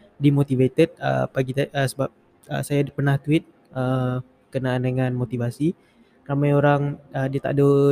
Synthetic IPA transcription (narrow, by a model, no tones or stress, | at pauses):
dimot̪ivet̪ɛt̪̚ə̰paɡit̪aʔəsəbap̚ | ə̰sajadpərnaht̪uɪt̪̚ | ʔə | kənaːndəŋanmot̪ivasi | ramajoɾaŋədiat̪a̰ʔdo